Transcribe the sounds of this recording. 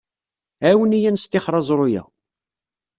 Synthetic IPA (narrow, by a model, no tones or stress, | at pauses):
æwənijænst̪ːɪχɾˤɑzˤɾˤojæ̰